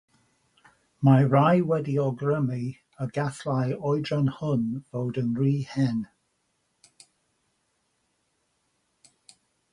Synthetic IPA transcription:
maɹajwɛdiɔɡɹəmi | əɡaθlajɔjdɹanhʊnvowdənriːhɛn

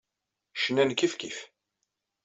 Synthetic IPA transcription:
ʃnænkːifkif

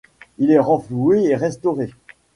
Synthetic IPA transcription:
ilɛʁɑ̃flueeʁɛst̪ɔʁe

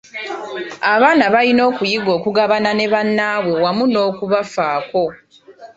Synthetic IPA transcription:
aβaːnaβalino̞ːkujiɡo̞ːkuɡaβanane̞βanːawe̞wamuno̞ːkuβafaːko̞

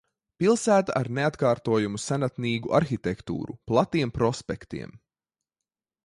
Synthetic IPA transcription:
pilˠsæːt̪aʔaɾneat̪kaːɾt̪uɔjumusanat̪niːɡuʔaɾxit̪ekt̪ṵːɾṵplˠat̪iɛmpɾɔspɛ̰kt̪ḭɛm

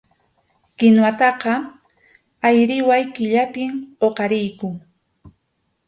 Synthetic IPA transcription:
kɪnwat̪ɑqɑ | ajɾɪwajkɪʎapɪmoqɑɾɪjkʊŋ

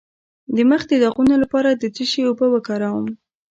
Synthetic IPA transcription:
d̪əməxd̪əd̪aɣunolapɑɾad̪ət͡siʃewopəwəkɑɾawəm

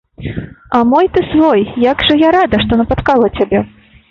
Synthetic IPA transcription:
ɐmɔjt̪ɨsvɔjjaɡʐɐjaɾad̪ɐʂt̪ɔnɐpat̪kalˠɐt͡sʲabʲɛ

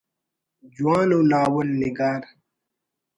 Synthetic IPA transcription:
d͡ʑuwaːnulaːwəlniɡaːɾ

